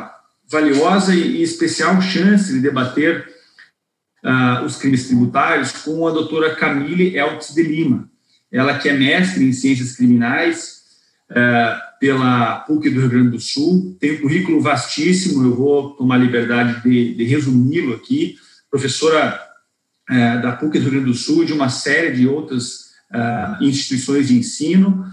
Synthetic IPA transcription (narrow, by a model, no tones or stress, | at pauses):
valiɔzɐɪːɪspesiawʃɐ̃sɪd̪ɪd̪ebat̪eɾ | aʊskɾimɪst̪ɾibut̪aɾjʊskõɐd̪owt̪oɾɐkamilɪʔɛwt͡ʃɪzd̪ɪlĩmɐ | ɛlɐkɪɛmɛst̪ɾɪẽj̃siẽs̬ɐskɾiminajs | ɛpelɐpukɪd̪ʊheuɡɾɐ̃d͡ʒ̪ɪd̪ʊsuwt̪ẽj̃ũkuɦikʊlʊvast͡ʃisimʊewvot̪omaɾlibeɾd̪ad͡ʒɪd̪ɪd̪ɪɦezumilʊaki | pɾofesoɾɐ | ɛd̪ɐpukɪd̪ʊheuɡɾɐ̃d̪ɪd̪ʊsuwd͡ʒɪũmɐsɛɾɪd͡ʒɪowt̪ɾɐz | ɛĩst͡ʃi̥t̪uisõj̃zd͡ʒɪẽsĩnʊ